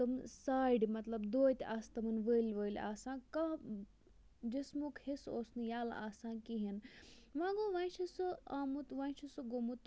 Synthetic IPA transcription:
ɐmsaːjɖimɐt̪lɐbd̪oːit̪aːst̪ɐmɐnʋəilʋəːilʲa̰ːsãːka | d͡ʒismukhesoːsnɨjaːlaːsãːkiɦinʋãːɡoːʋãːit͡ʃʰɐsɨaːmut̪ʋãit͡ʃʰɐsɨɡomut̪

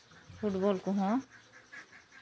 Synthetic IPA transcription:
pʰuʈbɔlkɔɦɔ̃

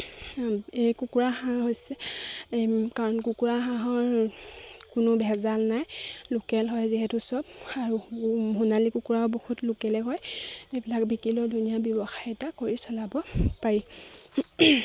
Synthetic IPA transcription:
ejkukuɹaxãɦojsɛ | kaɹɔnkukuɹaɦãɦɔɹ | kʊnʊbʱɛzalnajlʊkɛlɦɔjziɦɛtusɔbaɹuɦunalikukuɹabohutlʊkɛlɛɦɔjebilakbikilɔɹdʱunijabjɔbɔxajɛtakoɹisɔlabɔpaɹi

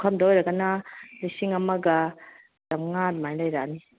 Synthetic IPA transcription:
kʰɐmdɐojɾɐɡɐnɐlisiŋɐmɐɡɐ | d̥ɐmŋat̚majlɐjɾani

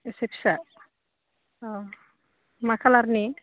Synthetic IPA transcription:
esepʰsa | makʰalaɾni

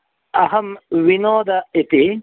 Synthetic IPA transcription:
ɐɦɐmwinoːd̪ɐit̪i

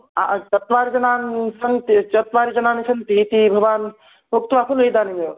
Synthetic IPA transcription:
at͡ʃɐt̪ʋaːɾid͡ʒɐnaːnsɐnt̪it͡ʃɐt̪ʋaːɾid͡ʒɐnaːnisɐnt̪it̪ibʱɐʋaːn | buk̚t̪ʋaːpʰulid̪aːnime

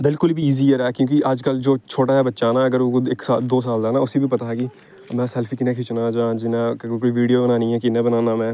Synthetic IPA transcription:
bɪlkʊlbiiːziːəɾɛːkjõːkɪʔəd͡ʒkəld͡ʒoːt͡ʃʰoːʈaːɦɛːbətːʃaːnãːəɡəɾoɪksaːd̪oːs̬aːld̪aːnãːʊseːbiːpət̪aːɦɛːkɪ | mɛ̃ːsɛːlpʰiːkɪnẽːkʰɪt͡ʃnãːd͡ʒãːd͡ʒɪnãːkoːiːʋiːɖijoːbənaːnĩːɛːkɪnːẽːbənaːnaːmɛ̃ː

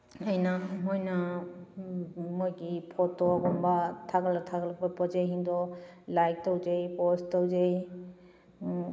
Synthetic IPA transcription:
əjnamɔjna | mɔjɡipʰɔtɔɔɡɔmbatʰakalatʰakalapɔpɔd͡ʒejɦindɔlajk̚tawzejpɔstawd͡ʒej

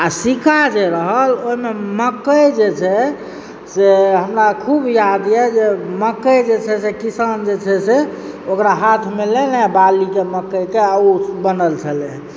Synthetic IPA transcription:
asikʰad͡ʒeɾəɦəloɦimeməkːəjd͡ʒet͡ʃʰɛ | seɦəmɾakʰubjad̪jɛd͡ʒeməkːəjd͡ʒet͡ʃʰɛsekisand͡ʒet͡ʃʰɛseokɾaɦat̪ʰmelenebalikeməkːəjkeəubənəlt͡ʃʰəlɛ

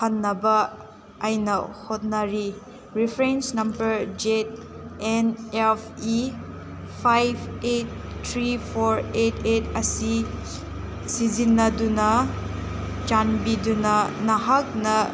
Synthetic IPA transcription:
pɐnːɐbɐ | ajnɐhot̚nɐɾi | ɾipʰɾensnɐmbɐɾd͡ʒet̚enepʰi | pʰajbʰet̚ | tʰːɾipʰoɾetʰetʰɐsi | sizinːɐdunɐ | t͡ʃanbidunɐnɐɦak̚nɐ

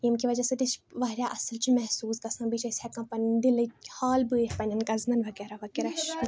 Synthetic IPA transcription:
jimkiʋɐd͡ʒaːsɨd̪it͡ʃʋɐːɾʲjaːʔɐsəlt͡ʃʰimɛɦsuːskɐsãːbiːt͡ʃʰɐsʲakɐ̃mpɐnid̪ilɨhaːlbɨeɾpɐnʲɐnkɐzmɐnʋɐɡɛːɾaʋɐkeːɾaʃ

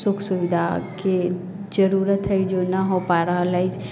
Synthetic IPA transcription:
sʊkʰsuʋid̪ʱake | d͡ʒəɾuɾət̪ʰːəjd͡ʒonaɦopaɾalaid͡ʒ

